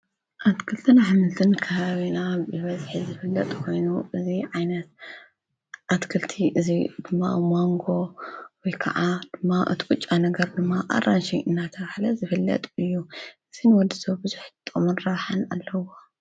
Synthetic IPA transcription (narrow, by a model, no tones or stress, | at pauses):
ʔat̪kʰɨlt̪ʰɨnaħmɨlt̪ʰɨnkʰɐβaβinabɨβɐzħizɨfɨlːɐ̰t̪ʼkʰo̞jnuɨziʕajnɐt̪̚ | ʔat̪kʰɨlt̪ʰiʔɨzid̪̥ɨmːa̰moŋɡo̞wɔjkʰɐ̰ʕad̪̥ɨmːaʔɨ̰t̪ʰiɡut͡ʃʼːanɐɡɐɾd̪ɨmːaʔa̰ranʃiʔɨnːat̪ʰɐβħlɐzɨfɨlːɐ̰t̪ʼɨjːuʔɨzinɨwɔd̪isobɨzuħt̪ʼːomunɾɐβħanalːɐwo